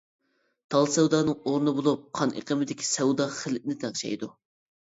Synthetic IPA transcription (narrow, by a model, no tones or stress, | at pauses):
t̪ʰɑlˠsɛwd̪ɑːnɨŋoɾnɨbolˠup̚qʰɑnʔḛqəmɪd̪ɪkʲʰi̥sɛwd̪ɑχəlnɪt̪ʰæŋʃɛ̰jd̪u